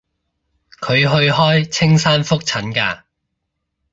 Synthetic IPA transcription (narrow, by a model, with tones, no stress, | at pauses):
kʰɵ˨˧ɥɦɵ˧ɥhɔː˥jt͡sʰɪ˥ŋsaː˥nfʊ˥k̚t͡sʰɐ˨˥nka̰ː˧